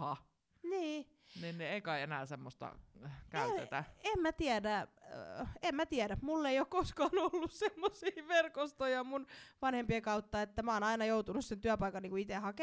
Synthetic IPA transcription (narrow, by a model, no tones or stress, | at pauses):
hɑ | niː | ninneeikɑienæ̰ːsemːost̪ɑ̰kæyt̪ḛt̪æ̰emmæt̪iædæ | emmæt̪iædæmulːeijokkoskɑːnolːussemːosiːʋerkost̪ojɑmunʋɑnhempiekɑut̪ːɑet̪ːæmæoːnɑinɑjout̪unussent̪yæpɑikɑnniːŋkuit̪ehɑke